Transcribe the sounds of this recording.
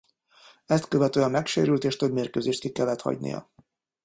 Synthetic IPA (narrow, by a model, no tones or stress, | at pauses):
ɛst̪køvɛt̪øːɛmːɛkʃḛːɾylt̪eːʃt̪øbmeːrkøːzeːʃt̪̚kikɛlːɛt̪hɒ̰ɟnḭjɒ̰